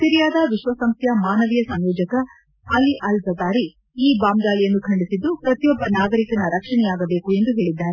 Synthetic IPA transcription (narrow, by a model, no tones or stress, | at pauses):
t̪iɾijaːd̪ɐʋiʃʋɐsɐmst̪ʰjɐmaːnɐʋijɐsɐmjɔːd͡ʒɐkɐ | ɐliʔɐlzɐd̪aːɾi | iːbaːmd̪aːlijɐnːukʰɐɳɖisid̪ːupɾɐt̪ijɔbːɐnaːɡɐɾikɐnɐɾɐkʂɐɳɛjaːɡɐbeːkue̞nd̪uɦe̞ːɭid̪ːaːɾe